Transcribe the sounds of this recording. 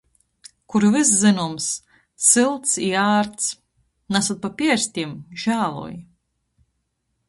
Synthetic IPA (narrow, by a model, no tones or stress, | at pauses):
kuɾvɨs̬zɨnums | silˠt̪siaːɾt̪s | nasɔt̪̚papʲiɛɾsʲt̪ʲimʒ̥aːlˠṵj